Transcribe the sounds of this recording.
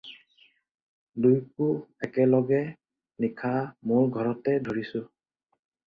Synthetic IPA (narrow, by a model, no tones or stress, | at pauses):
dujkʊɛkɛlɔɡɛ | nikʰamoɹɡʱɔɹɔtɛdʱoɹisʊ